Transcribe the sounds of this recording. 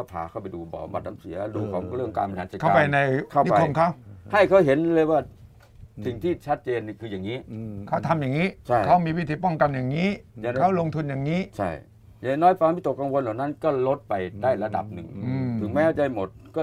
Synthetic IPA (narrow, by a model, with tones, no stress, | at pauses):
a˧˩pʰa̰ː˨˦kʰa˥˩wpa˧jduː˧bɔ̰ː˨˩ba̰˨˩t̪̚na˧msi˩˦ɐduː˧˩kʰɔː˨˦ŋɾɯ˥˩əŋkaː˧npa˧aː˨˦nsa˨˩kʰa˥˩˧aː˧˩pa˧jna˧jkʰa˥˩˦a˧˥o˧mkʰa˦˥wha˥˩jkʰa˦˥˩wɦe˨˦nlɤː˧jwaː˥˩ | si˨˩ŋt̪ʰiː˥˩t͡ɕʰa˦˥t̪̚t͡ɕeː˧nːi˧˩kʰɯː˧ja˨˩ŋːiː˦˥kʰa˦˥˩wt̪ʰa˧mjaː˨˩ŋːiː˦˥t͡ɕʰa˥˧˩jkʰa˦˥˩wmiː˧wi˦˥t̪ʰiː˨˩pɔ˥˩ŋka˧njaː˨˩ŋːiː˦˥˧kʰa˦˥wlo˧ŋt̪ʰu˧njaː˨˩ŋːiː˦˥t͡ɕʰa˥˩j | ja˨˧˩nɔː˦˥jpaː˧mi˥˩t̪o˨˩kːa˧ŋwo˧nla˨˩wna˦˥nkɔː˥˩lo˦˥t̪̚pa˧jdaː˥˩jɾa˧da̰˨˩p̚nɯ˨˩ŋʔɯː˧mt̪ʰɯ˩˦ŋmɛː˦˥t͡ɕa˧˩jmo˨˩t̪̚kɔː˥˩